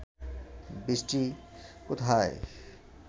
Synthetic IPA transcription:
bisʈikʊt̪ʰaːḛ

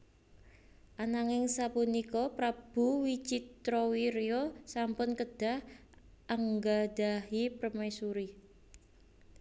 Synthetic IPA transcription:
ʔanaŋɪŋsapunikɔpɾab̥ṳwit͡ʃit̪ɾɔwiɾiosampʊnkəd̥a̤h | ʔaŋɡad̥ahipɾəmajsuɾi

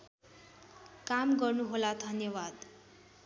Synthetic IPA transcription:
kamɡʌrnuɦolad̪ʱʌnjʌwad̪

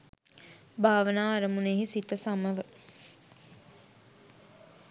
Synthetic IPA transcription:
bʱaːʋənaːaɾəmuneːɦisit̪əsaməʋə

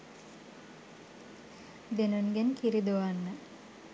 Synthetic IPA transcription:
d̪enunɡenkiɾid̪oʋanːə

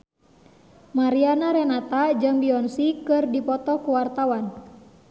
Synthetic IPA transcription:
maɾianaɾɛnat̪ad͡ʒəŋbiɔnsikɨrdipɔt̪ɔkuwart̪awan

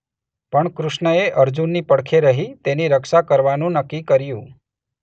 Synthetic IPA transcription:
pəɳkɾʊʃɳəeʔəɾd͡ʒunːipəɽkʰeɾəɦit̪eniɾəkʃakəɾʋanũnəkːikəɾjũ

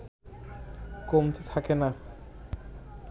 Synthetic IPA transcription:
komt̪et̪ʰakena

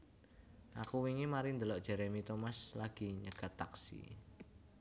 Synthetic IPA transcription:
ʔakuwiŋimaɾind̪əlɔʔdʒ̥ɛ̤ɾemit̪omaslaɡ̥i̤ɲəɡ̥a̤t̪ːa̰ksḭ

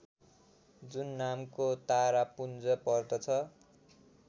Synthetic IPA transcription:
d͡zunːamkot̪aɾapund͡zʌpʌrd̪ʌt͡sʰʌ

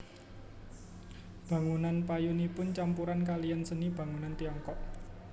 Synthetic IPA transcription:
b̥ä̤ŋunanpajunipʊnt͡ʃampuɾankalijansənib̥ä̤ŋunant̪iɔŋkɔʔ

